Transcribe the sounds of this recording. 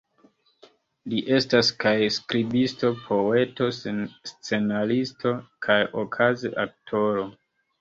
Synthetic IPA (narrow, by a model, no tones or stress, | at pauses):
liʔe̞staskajskɾibisto̞pʰo̞e̞to̞senst͡se̞nalisto̞kʰajokʰazḛʔak̚tʰo̞ɾo̞